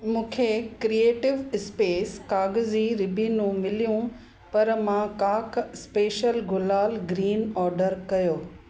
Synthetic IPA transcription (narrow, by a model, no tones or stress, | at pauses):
mũːkʰekɾieːʈɪʋɪspeːskaːɡziɾɪbʱinũmɪlijũ | pɐɾmãkaːkspeːʃəlɡʊlaːlɡɾiːnɔːɾɖəɾkɐjoː